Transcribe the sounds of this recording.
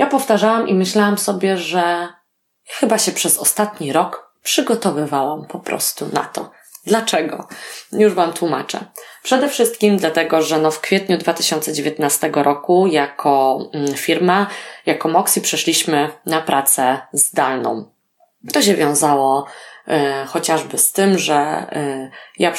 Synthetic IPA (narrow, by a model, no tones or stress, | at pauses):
japɔft̪aʐawamʔimɘɕlawamsɔbʲjɛʐɛ | jaxɘbaɕɛpʂɛzɔst̪at̪ɲiɾɔk | pʂɘɡɔt̪ɔvɘvawampɔpɾɔ̰st̪una̰t̪ɔ̰ | d̪lat͡ʂɛɡɔ̰juʐvamt̪wumat͡ʂɛ̰pʂɛd̪ɛfʂɘst̪kʲimd̪lat̪ɛɡɔʐɛnɔfkfʲjɛt̪ɲud̪vat̪ɘɕɔnt̪sɛd͡ʑevʲjet̪nast̪ɛɡɔɾɔkujakʰɔfʲiɾmajakɔmɔksipʂɛʂlʲiɕmɘnapɾʔat̪sɛzd̪alnɔ̰̃w̃ | t̪ɔɕɛvʲjɔ̃w̃zawɔ | xɔt͡ɕaʐbɘst̪ɘmʐɛ | ja